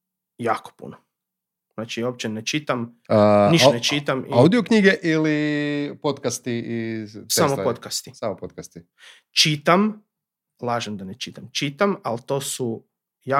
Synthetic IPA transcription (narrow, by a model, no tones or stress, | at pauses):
jaːko̥pṵno | z̥nat͡ʃiop̚t͡ʃenet͡ʃit̪am | əniʃnet͡ʃit̪amʔiawd̪ijokɲiːɡeʔilipot̪kast̪iisamopot̪kast̪isamopot̪̚kast̪i | t͡ʃit̪am | lˠaːʒemd̪anet͡ʃit̪amt͡ʃit̪amalt̪oːsu | ja